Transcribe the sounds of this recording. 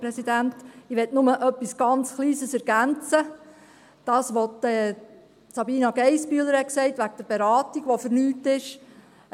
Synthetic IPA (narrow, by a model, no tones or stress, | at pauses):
pɾɛsidæntɪʋɛtnʊməʔœpːisɡ̥ɑnt͡sχliːsəsɛɾɡ̥ænt͡sə | d̥ɑːsʋɔtɛ | t͡sɑbiːnɑɡɛɪspyːləɾhɛt̚ksɛɪtʋæɡ̚d̥əɾbeɾɑːtiɡʋofəɾnyːtɪʃ